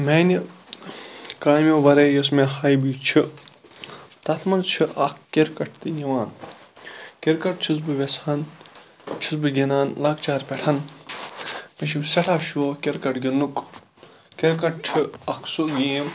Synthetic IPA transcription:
meːni | kaːmʲoʋɐɾejosmehɐjbit͡ʃʰi | t̪ɐt̪ʰmɐnt͡ʃʰiʔɐkkeɾkɐʈ̚ʰt̪ɨjiʋaːn | keɾkɐʈ̚t͡ʃʰisbɨʋesɐn | t͡ʃʰisbɨɡʲinaːnlɐkt͡ʃaːɾpʲeʈʰɐn | meʃiseʈʰaːʃuokeɾkɐʈɡʲinuk | keɾkɐʈ̚t͡ʃʰiɐkʰsuɡʲiːm

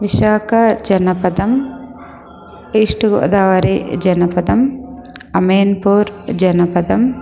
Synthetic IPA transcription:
ʋiʃaːkʰɐd͡ʒɐnɐpɐd̪ɐm | iːʂʈuɡo̰ːd̪aːʋɐɾid͡ʒɐnɐpɐd̪ɐm | ɐmeːnpuːɾd͡ʒɐnɐpɐd̪ɐm

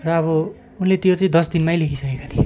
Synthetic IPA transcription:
rʌːβʌ | unlet̪jot͡sʌĩd̪ʌsd̪inmajlekʰisʌkekat̪ʰijo

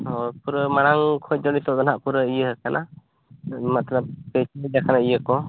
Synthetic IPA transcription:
ɔpuɾəmaɽ̃aŋkʰɔc̚ˀd͡ʒɔnit̪ɔʔd̪ɔnaʔpuɾəijəɦəkanʔa | mat̪lab̚pɛt͡ʃid͡ʒakʰanaijəkɔ

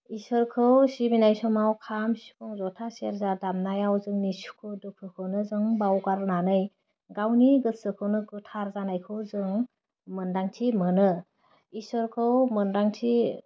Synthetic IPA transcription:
isɯɾkʰɯwsibinajsɔmawkʰamsi̥kʰɔŋzɔtʰaseɾzadamnajawzɯŋnisu̥kʰɯdukʰɯkʰɯwnɯzɯŋbawɡaɾnanɯj | ɡawniɡɯsɯkʰɯwnɯɡɯtʰaɾzanajkʰɯwzɯŋ | mɯndaŋtʰimɯnɯ | isɔɾkʰɯwmɯndaŋtʰi

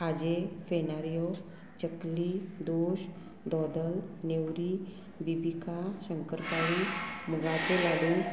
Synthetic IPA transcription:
ad͡ʑefenaɾjo | t͡ɕəkliːd̪oɕ | d̪ɔd̪əlnewɾi | bibikʰaɕəŋkəɾkaɭiməɡat͡selaɡuːn

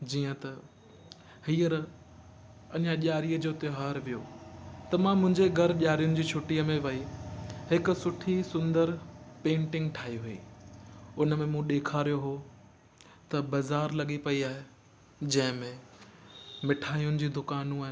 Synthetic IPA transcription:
d͡ʑiːə̃t̪ɐ | hiːəɾ | ɐɲʄãʄaːɾijəd͡ʑoːt̪ɪɦaːɾʋijoːt̪ɐmãmʊ̃ɦɪ̃ɲd͡ʑeɡʱɐɾʄaːɾijʊnɪ̆d͡ʑiːt͡ɕʰʊʈiəmẽʋɐiɦɪkʊ̆sʊʈʰisʊ̃nd̪əɾpẽːɳʈɪ̃ŋɡʈʰaːɦiɦʊḭː | ʊnəmẽmũɗ̪eːkʰaːɾijoɦo | t̪ɐbɐzaːɾlɐɠipɐiaːɦe | d͡ʑɐ̃ɦɪ̃mẽ | mɪʈʰaːijʊnɪ̆d͡ʑiːd̪ʊkaːnũaːɦɪ̃

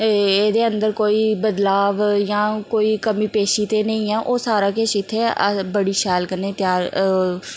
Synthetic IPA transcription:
eːd̪eːənd̪əɾkoːiːbəd̪laːʋjãːkoːiːkəmiːpeːʃiːt̪eːnəĩːɛːʔoːsaːɾãːkeːʃɪt̪ʰːeːbəɽiːʃɛːlkəɾneːt̪ɪjaːɾ

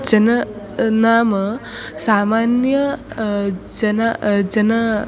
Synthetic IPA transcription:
d͡ʒɐnɐ | naːmɐ | saːmaːnjɐ | d͡ʒɐnad͡ʒɐnɐ

